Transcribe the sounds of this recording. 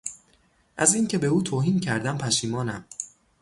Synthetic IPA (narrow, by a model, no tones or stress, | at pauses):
ʔæziːncʰe̞be̞uːt̪ʰoːɦiːmcʰæɾd̪æmpʰæʃiːmɒːnæm